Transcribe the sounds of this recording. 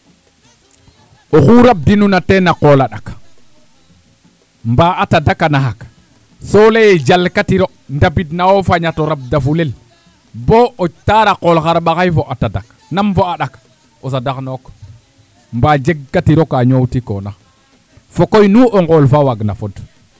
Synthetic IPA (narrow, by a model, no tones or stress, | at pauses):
oxuɾab̚dinunatenaqolaɗak | mbaatadakanaɦak | solejed͡ʒalkatiɾo | ndabidnawofaɲatoɾab̚dafulel | boot͡ʃtaɾaqolxaɾɓaxajfoʔatadak | namfoaɗak | os̬adaknok | mbad͡ʒeɡ̚ːatiɾokaɲowtiko̰na | fokojnuʔoŋɡolfawaɡna̰fod